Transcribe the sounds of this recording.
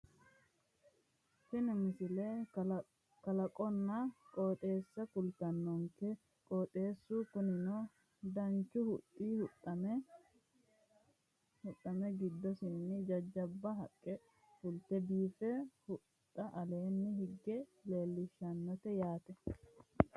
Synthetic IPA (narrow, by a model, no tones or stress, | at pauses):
fɪnɪmɪsɪle | kɐlɐkʼɔnːɐkʼɔːt̪ʼe̞ːsːɐkʊlt̪ɐnːɔŋkɛ | kʼoːt̪ʼe̞ːsːuːkʊnɪnɔ | d̪ɐnt͡ʃːʊhʊtʼːiːhʊɐ | hʊtːɐmɛɡɪd̪ːɔsɪnːɪd͡ʒɐd͡ʒːɐbːɐɦɐkʼːɛ | fʊlt̪ɛbiːfɛhʊ | t̪ʼːɐʔɐle̞ːnːɪhɪɡːɛle̞ːlːɪʃːɐnːɔt̪ɛjaːt̪ɛ